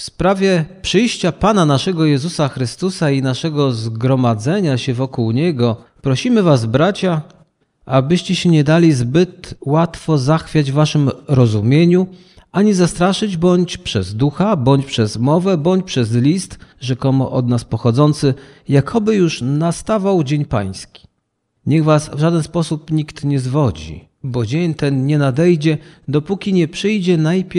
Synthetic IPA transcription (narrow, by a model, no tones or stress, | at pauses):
fspɾavʲjɛpʂɘjɕt͡ɕapananaʂɛɡɔjɛzusaxɾɘst̪usainaʂɛɡɔzɡɾɔmad̪zɛɲaɕɛvɔkuwɲɛɡɔ | pɾɔɕimɘvazbɾat͡ɕa | abɘɕt͡ɕɛɕɛɲɛd̪alʲizbɘt̪wat̪fɔzaxfʲjad͡ʑvvaʂɘmɾɔzumʲjeɲu | aɲizast̪ɾaʂɘd͡ʑbɔɲt͡ɕpʂɛzd̪uxabɔɲt͡ɕpʂɛzmɔvɛbɔɲt͡ɕpʂɛzlʲist̪ʐɛkɔmɔ̰ʔɔd̪naspɔxɔd̪zɔnt̪sɘjakʰɔbɘjuʂnast̪avawd͡ʑeɲpa̰j̃skʲi̥ | ɲɛɣvasvʐad̪ɛnspɔsupɲikt̪ɲɛzvɔd͡ʑḭ | bɔd͡ʑeɲt̪ɛnɲɛnad̪ɛjd͡ʑɛd̪ɔpukʲiɲɛpʂɘjd͡ʑɛnajpʲj